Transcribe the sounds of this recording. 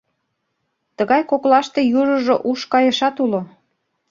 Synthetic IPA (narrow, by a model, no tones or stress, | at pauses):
t̪əɣɑjkoklɑʃt̪ejuʒə̆ʒoʔuʃkɑjə̆ʃɑt̪ulo